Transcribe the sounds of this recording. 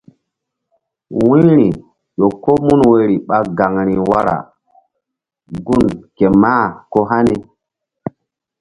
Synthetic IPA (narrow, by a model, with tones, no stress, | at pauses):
wĩ˦ɾi˨ | ɗo˨ko˦mu˦nwe˨ɾi˨ɓa˨ɡa˨ŋɾi˨wa˦ɾa̰˨ | ɡu˦˨nke˨maː˦ko˦ɦa˦ni˨